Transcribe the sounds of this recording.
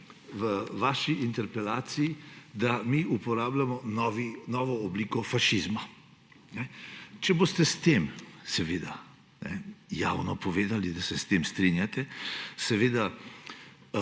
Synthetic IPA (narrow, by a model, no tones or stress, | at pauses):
ʋəʋaːʃiʔint̪ɛɾpɛlaːt̪sijid̪amiupɔɾaːblamɔnɔʋinɔʋɔːbliːkɔfaʃizma | nɛt͡ʃɛbost̪ɛst̪emsɛʋeːd̪a | nɛ̰ja̰wnɔpɔʋeːd̪alid̪asɛst̪emst̪ɾinjat̪ɛsɛʋeːd̪a